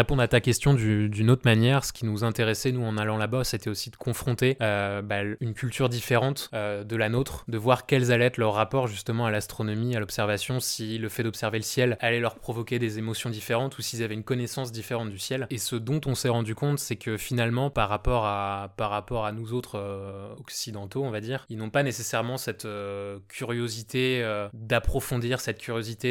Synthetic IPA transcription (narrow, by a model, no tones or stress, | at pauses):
ʁepɔ̃d̪ʁat̪akʲɛst̪jɔ̃d̪yd̪ynot̪χmanjɛʁsə̥kʲinuzɛ̃t̪eʁɛsɛnuɑ̃nalɑ̃labaset̪ɛosid̪əkʰɔ̃fχɔ̃t̪eøbaynkʲylt̪yʁd̪ifeʁɑ̃t̪ød̪əlanot̪χd̪əvwaʁkʲɛlzalɛɛt̪lœʁːapɔʁʒyst̪əmɑ̃alast̪χɔnɔmialɔpsɛʁvasjɔ̃siləfɛd̪ɔpsɛʁveləsjɛlalɛlœʁpχɔvɔkʲed̪ezemɔsjɔ̃d̪ifeʁɑ̃t̪usilzavɛynkɔnɛsɑ̃s̬d̪ifeʁɑ̃t̪̚d̪ysjɛlesəd̪ɔ̃t̪ɔ̃sɛʁɑ̃d̪ykɔ̃t̪sɛkʰəfinalmɑ̃paʁːapɔʁapaʁːapɔʁanuzot̪χøɔksid̪ɑ̃t̪oɔ̃vad̪iːʁilnɔ̃panesesɛʁmɑ̃sɛt̪økʲʰyʁjozit̪eød̪apχɔfɔ̃d̪iʁsɛt̪̚kʲʰyʁjozit̪e